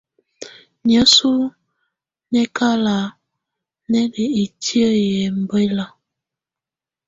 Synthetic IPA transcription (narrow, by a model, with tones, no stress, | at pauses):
ɲə˨˦su˦ | nɛ˦ka˦la˨ | nɛ˦ni˨i˨tjə˦jɛ˨m̩˨be˦la˨